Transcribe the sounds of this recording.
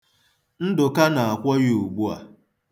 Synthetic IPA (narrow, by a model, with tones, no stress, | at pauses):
n̩˦dʊ˨ka˦na˨a˨kʷɔ˦ɣɪ˦u˨ɡ͡bu˦a̰˨